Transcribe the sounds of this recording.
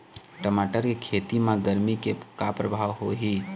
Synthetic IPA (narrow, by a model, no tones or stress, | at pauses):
ʈəmaːʈəɾkekʰeːt̪imãɡəɾmikekapɾəbʱaːʋɦoɦiː